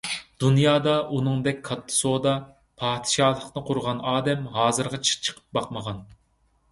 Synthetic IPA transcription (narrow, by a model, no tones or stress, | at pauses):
d̪̥unjɑːd̪ɑʔunɨŋd̪ɛk̚ʲkʰɑt̪ʰːɨ̥sod̪ɑ | pʰɑːt̪ɨ̥ʃɑːlˠəqnɨqʰʊɾʁɑnɑːd̪ɛmɦɑːzɨɾʁɑt͡ʃʰt͡ʃʰə̥qʰə̥p̚bɑqməʁɑn